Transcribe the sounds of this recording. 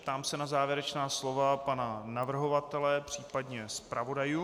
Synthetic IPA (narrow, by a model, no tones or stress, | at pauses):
pt̪aːmsɛnazaːvjɛɾɛt͡ʃnaːslo̞vapananavr̩ɦo̞vat̪ɛlɛpr̝̥iːpadɲɛspɾavo̞dajuː